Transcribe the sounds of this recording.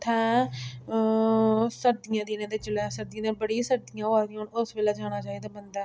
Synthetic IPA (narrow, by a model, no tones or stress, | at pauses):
t̪ʰɛ̃ː | səɾd̪ɪjãːd̪iːnẽːd̪eːt͡ʃəlɛːsəɾd̪ij̃ːd̪ẽːbəɽiːsəɾd̪ɪjãːaːd̪ĩɦoɳʊsʋeːlɛːd͡ʒaːñaːt͡ʃaːiːd̪aːbənd̪aː